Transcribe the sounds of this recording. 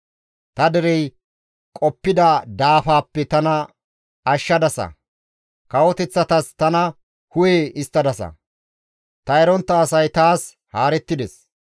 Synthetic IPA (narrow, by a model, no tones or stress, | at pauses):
t̪ɐd̪ɛɾɛj | kʼɔpːɪd̪ɐd̪aːfaːpːɛt̪ɐnɐ | ɐʃːɐd̪ɐsɐ̰ | kɐwɔt̪ɛt͡sːɐt̪ɐst̪ɐnɐ | hʊjeːɪst̪ːɐd̪ɐsɐ̰ | t̪ɐɛɾɔnt̪ːɐːsɐjt̪aːs | haːɾɛt̪ːɪd̪ɛs